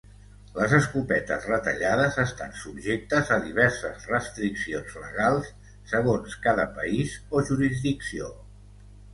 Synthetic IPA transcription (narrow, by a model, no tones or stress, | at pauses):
ləzəskupɛt̪ə̰zrət̪əʎaðəzəst̪ansubʒek̚t̪əzəðiβ̞ɛɾsəzrəst̪ɾiksionzlə̰ɣalˠsː | əɣ̞onskaðəpəizoʒuɾizðiksio